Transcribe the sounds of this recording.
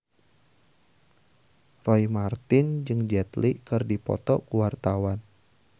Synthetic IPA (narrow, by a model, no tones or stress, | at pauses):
rɔjmart̪ɪnd͡ʒɨŋd͡ʒɛt̪likɨrdipɔ̰t̪ɔkuwart̪awan